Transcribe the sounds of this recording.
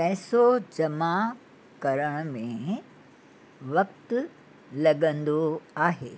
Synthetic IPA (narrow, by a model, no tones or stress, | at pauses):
pɛːsod͡ʑɐma | kɐɾəɽ̃mẽ | ʋɐk̚t̪ʊ | lɐɠə̃nd̪oaːɦeː